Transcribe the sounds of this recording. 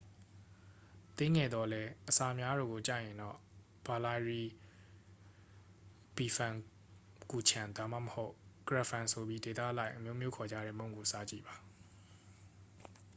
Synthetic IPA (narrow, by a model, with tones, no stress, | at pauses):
t̪ɪ̃˦ŋɛ˨d̪ðɔ˨lɛ˦ʔəsa˨mja˦ɾo̰˨ɡo˨t͡ɕä̰˦˨jɪ̃˨ndɔ̰˦˨ | b̥a˨la˨ɪɹi˨ | b̥i˨fʰã˨ŋ | ku˨t͡ɕʰã˨nda˨ma̰˦˨məho˦ʊʔɡ̥əɹa˨fʰã˨nsʰo˨bji˦de˨t̪a̰˦˨ʔla˦ɪʔə˨mjo˦mjo˦kʰɔ˨d͡ʑä̰˦˨ɾɛ̰˦˨mõ˦˨ŋɡo˨sa̰˦˨t͡ɕḭ˦˨ba˨